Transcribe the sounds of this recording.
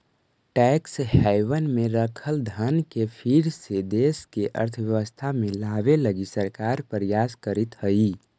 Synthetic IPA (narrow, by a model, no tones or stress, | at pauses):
ʈɛkshɛɪʋənmeɾəkʰəld̪ʱənkepʰiɾsed̪eskeʔə̰ɾt̪ʰəʋjəʋəst̪ʰamẽlaʋeləɡisəɾkaɾpɾəjaskəɾit̪həi